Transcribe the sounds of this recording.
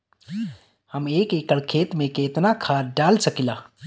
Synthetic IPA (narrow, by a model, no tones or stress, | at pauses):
hɐmeːkeːkəɽkʰeːt̪mẽkeːt̪nakʰaːɖaːlsəkilaː